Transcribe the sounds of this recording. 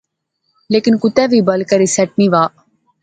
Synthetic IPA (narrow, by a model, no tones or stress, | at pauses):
leːkɪnkʊt̪ɛʋiːbəlkəɾisɛʈ̚niʋaː